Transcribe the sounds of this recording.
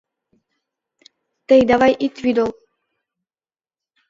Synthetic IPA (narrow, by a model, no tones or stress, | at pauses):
t̪ɛjd̪avajʔit̪vid̪ɔlˠ